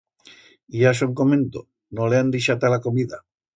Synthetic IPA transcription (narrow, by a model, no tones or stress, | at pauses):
iaʃ̬oŋkomẽnt̪o | noleand̪iʃat̪alakomiða